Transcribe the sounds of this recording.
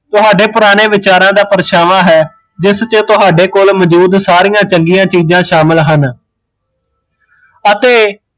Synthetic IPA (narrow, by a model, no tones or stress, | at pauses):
t̪ʊɦaːɖeːpʊɾaːñeːʋɪt͡ʃaːɾãːd̪aːpəɾʃaːʋaːɦɛː | d͡ʒɪst͡ʃət̪ʊɦaːɖeːkoːlməd͡ʒuːd̪saːɾijãːt͡ʃəŋɡijãːt͡ʃiːzãːʃaːmɪlɦən | ət̪eː